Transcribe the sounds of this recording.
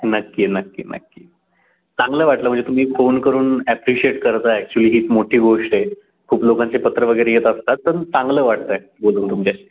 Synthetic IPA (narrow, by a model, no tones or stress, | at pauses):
nəkːiːnəkːḭːnə̰kːḭː | t͡sãŋɡləːʋaʈləm̤əɳd͡zet̪um̤iːfonkəɾuːnæpɾiɕieʈkəɾt̪aɛk̚t͡ɕuliːɦiːt͡s̪moʈʰiːɡoʂʈe | kʰuːplokant͡sepət̪ɾəʋəɡəjɾejet̪əst̪at̪ːəɾt͡sãŋɡləːʋaʈ̚t̪əj | boluːnt̪umt͡ɕa